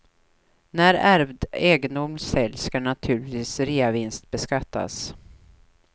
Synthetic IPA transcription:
næɾæɾvd̪eːɡənd̪ʊmsɛlskaɳat̪ʰʉ̟ːɭɪt̪viːsɾiːavɪnst̪̚bɛskat̪ʰːa̰s

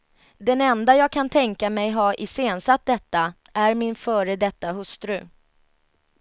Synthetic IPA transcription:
d̪ɛnɛnd̪ajɑːɡkʰant̪ʰɛŋkamɛjɦɑːʔɪseːnsat̪̚d̪ɛt̪ːa | ʔæɾmɪnfœːɾəd̪ɛt̪ːaɦɵst̪ɾɵ

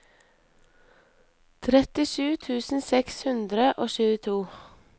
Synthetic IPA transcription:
t̪ʰɾɛt̪ɪʃʉːt̪ʰʉːsn̩sɛkshʉnd̪ɾəʔoːʃʉːət̪ʰuː

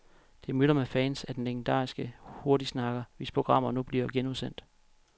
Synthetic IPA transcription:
d̥e̝mylɐmefæːnsæd̥en̩leɡ̥n̩d̥ɑ̰̈ːisɡ̥əho̝ɐɾisnɑ̈ɡ̥ɐʋe̝spʰʁoɡ̥ʁɑ̈m̰ɐnub̥liɐɡ̥enuðˠsen̰d̥

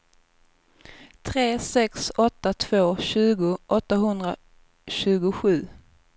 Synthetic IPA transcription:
t̪ʰɾeːsɛksɔt̪ːat̪ʰv̥oːɕʉ̟ːɡʊʔɔt̪ːaɦɵnd̪ɾa | ɕʉ̟ːɡʊɧʉ̟ː

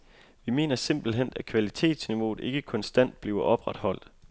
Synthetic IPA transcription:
ʋime̝ːnɐse̝mb̥l̩ɦen̰̥ækʰʋælit͡sʰe̝̰ːd̥sniʋo̝ːð̩ˠe̝ɡ̥əkʰɔ̽nsd̥æn̰d̥̚b̥liːʊɐʔɒ̽b̥ʁäd̥hɒ̽l̰d̥

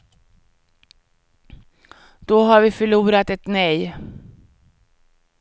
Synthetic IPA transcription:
d̪̥ɔɦaɾvɪfœɭuːɾat̪ɛt̪nœj

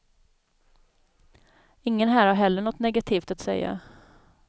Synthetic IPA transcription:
ɪŋːənɦæːɾhaɾɦɛlːəɳɔt̪ːnɛɡat̪ʰiːft̪at̪sɛ̰jːa̰

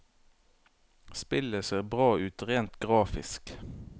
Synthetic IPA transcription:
spɪləseːʁbʁɑːʉːt̪ʁeːnt̪ɡʁɑːfɪ̰sk

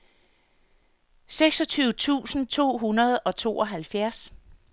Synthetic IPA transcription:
seɡ̥sɒt͡sʰyːʊt͡sʰṵːsn̩t͡sʰo̝̰ːɦunɐð̞ˠɒ̽t͡sʰo̝̰ːʔɒ̽ɦælfjæɐs

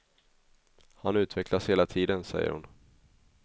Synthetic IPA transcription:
hanʉ̟ːt̪vɛkʰlasheːlat̪ʰiːd̪ənsɛ̰jːə̰ɾhʊ̰n

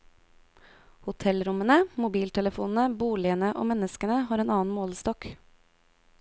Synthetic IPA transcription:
hʊt̪ʰɛlɾʊmənəmʊbiːlt̪ʰɛləfuːnn̩əbuːlɪənəʔo̰ːmɛnəskənəhɑːɾeːnɑːn̩moːlst̪ɔk

